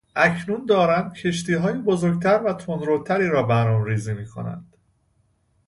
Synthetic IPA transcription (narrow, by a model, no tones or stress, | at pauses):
ʔæcʰnund̪ɒːɾæmcʰe̞ʃt̪iːɦɒːjebozoɾɟ̚t̪ʰæɾvæt̪ʰond̪ɾolt̪ʰæɾiːɾɒːbænɒmɾiːziːmiːkʰo̞̰næ̰nd̪̥